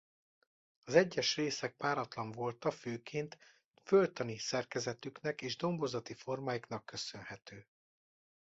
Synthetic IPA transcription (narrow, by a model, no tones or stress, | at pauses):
ɒzɛɟːɛʃreːsɛk̚paːɾɒt̪lɒɱvo̞lt̪ɒføːkʰeːnt̪ | følt̪ɒnisɛrkɛzɛt̪yknɛkeːʒd̪o̞mbo̞zɒt̪ifo̞rmaːjikn̪ɒkːø̞sø̞nhɛt̪øː